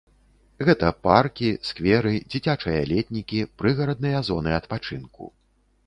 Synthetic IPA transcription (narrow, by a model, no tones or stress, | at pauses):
ɣɛt̪ɐparkʲiskvʲɛɾɨd͡zʲit͡sʲat͡ʂɐjɐlʲɛt̪ʲnʲikʲipɾɨɣɐɾɐd̪̚nɨjɐzɔnɨɐt̪pat͡ʂɨnkṵ